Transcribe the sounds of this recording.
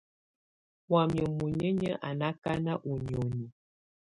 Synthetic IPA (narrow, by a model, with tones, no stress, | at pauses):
wa˨mjə˨mu˨ɲə˦ɲə˦ʔa˨na˦ka˦na˦ʔu˨ɲ˨o˨ni˨